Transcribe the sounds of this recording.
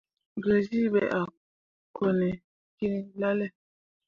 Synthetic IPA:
ɡə˨zi˦bɛ˨ʔa˨ | ko˨nɛ˨ | ki˦ni˦la˦lɛ˦˨

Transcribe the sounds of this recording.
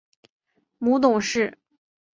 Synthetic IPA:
mu˧˥t̪ʊ˨˩ŋʂɻ̩˥˩

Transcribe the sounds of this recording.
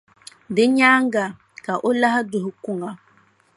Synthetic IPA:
de˦ɲa˦ŋɡa˨ | ka˨ʔo˦la˦ɦa˦du˨ɦu˨ku˦˨ŋɡa˨

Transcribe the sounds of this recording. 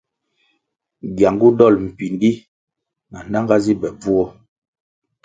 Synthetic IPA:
ɡja˨ŋɡu˦dɔ˦˨lm̩˨pi˨ndi˦ | na˨na˦ŋɡa˦zi˦bɛ˨b͡vu˦ɔ˦

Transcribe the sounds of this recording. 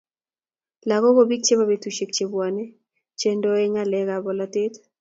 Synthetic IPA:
la˨ɣɔ˦ko˦bi˦k̚t͡ʃe˦ba˦be˦tu˨ʃe˨k̚t͡ʃe˨bwa˨nɛ˦ | t͡ʃe˦ndo˦e˦ŋa˦lɛ˦ɡa˨bɔ˨la˦tɪ˦t

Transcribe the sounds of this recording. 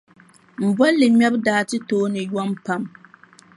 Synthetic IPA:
m̩˨bɔ˦lːɨ˨mɛ˦bdaː˦tɨ˦toː˦nɨ˨jɔ˦mpa˨m

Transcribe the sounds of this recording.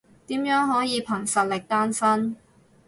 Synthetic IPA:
t̪iː˨˥mjœː˨˥ŋɦɔː˨˥jiː˨˧pʰɐ˨˩ŋsɐ˨t̚lɪ˨k̚t̪aː˥nsɐ˥n

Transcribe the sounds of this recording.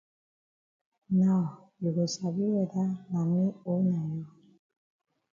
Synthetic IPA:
nɔ˨ | ji˨ɡo˨sa˨bi˦wɛ˨da˦na˨mi˦o˦na˨jo˦

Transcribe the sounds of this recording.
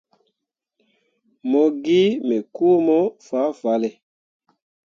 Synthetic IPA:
mɔ˨ɡi˦mɛ˨ku˦mɔ˦fa˨˦fa˨˦lɛ˨

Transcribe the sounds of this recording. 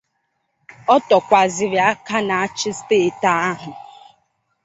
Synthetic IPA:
ɔ˦tɔ˨kʷa˨zɪ˨ɾja˦ka˦na˨a˦t͡ʃɪ˦ste˦˨ta˦a˦ɦʊ˨

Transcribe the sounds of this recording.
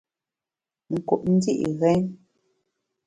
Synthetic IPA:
ŋ̩˨ku˨ʔn̩˦di˦ʔi˨ɣɛ˦n

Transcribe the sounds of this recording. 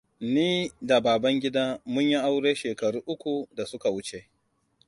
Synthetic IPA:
niː˦da˨baː˨bɐ˦ŋɡʲɪ˦daː˦mʊ˦ɲji˦ʔa˦wɽeː˦ʃeː˨kɐ˨ɽuː˦ʔʊ˦kʷu˨da˨sʊ˦ka˨wʊ˦t͡ʃe˨ʔ

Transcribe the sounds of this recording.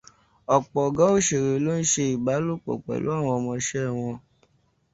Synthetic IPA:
ɔ˨k͡pɔ˨ɡa˨˦o˦˨ʃe˨ɾe˨lo˦n̩˦ʃe˧i˨ba˨˦lu˦˨k͡pɔ̰˨k͡pɛ̰˨lo̰˨˦a˦˨w̃ɔ̃˧ɔ˧mɔ̃˧ʃɛ˦˨w̃ɔ̃˧

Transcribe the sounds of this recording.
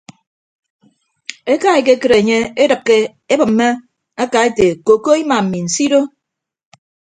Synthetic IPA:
e˦ka˦i˨ke˦kɨ˦ɾe˨ɲe˦e˦dɨ˨p̚ke˦ | e˦bɨ˨m̩˨me˦ | a˦ka˨˦e˦te˨ko˨ko˦i˦ma˨m̩˨mi˨n̩˨si˦ɾo˦

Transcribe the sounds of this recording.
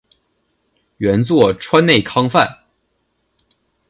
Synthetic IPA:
ɥɛ˧˥nt͡swɔ˥˨˩ʈ͡ʂʰwa˥nne˥˩ɪkʰɑ˥ŋfa˥˨˩n

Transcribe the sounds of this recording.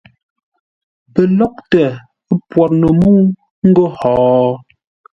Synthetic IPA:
pə˨lɔ˦k̚tɛ˨˦ | pwɔ˨ɾnə˨muː˦ | ŋ̩˦ɡo˦hɔː˨

